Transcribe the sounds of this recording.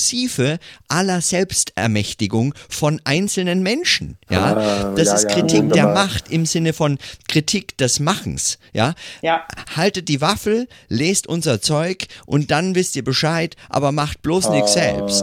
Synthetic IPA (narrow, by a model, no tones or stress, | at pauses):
siːfəʔalɐzɛlpstʔɛ̰ɐmɛçtɪɡʊŋfɔnʔaɪnt͡sl̩nənmɛnʃn̩ja̰ːd̥asɪstkʁ̥itʰiːk̚d̥eːɐmaχtɪmzɪnəfɔnkʁ̥itʰiːkd̥ɛsmaχn̩sjaː | haltət̚d̥iːvafl̩leːstʔʊnzɐt͡sɔʏkʔʊ̰nt̚d̥anvɪstiːɐbəʃaɪtʔa̰ːbɐmaχt̚b̥loːsnɪsz̥ɛ̰lpst